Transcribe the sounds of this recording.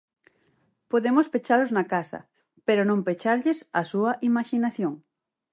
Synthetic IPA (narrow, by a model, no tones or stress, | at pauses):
poðemospet͡ʃaloznakasɐ̰ | peɾonõmpet͡ʃaɾʎesasuɐʔimaʃinaθjoŋ